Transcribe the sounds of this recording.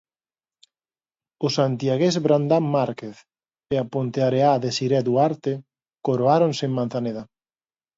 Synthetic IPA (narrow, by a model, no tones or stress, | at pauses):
ʊsant̪jaɣezβɾand̪ammaɾkeθ | eapont̪eaɾeaðesiɾɛðuaɾt̪ɪ | koɾoaɾonseŋmanθaneða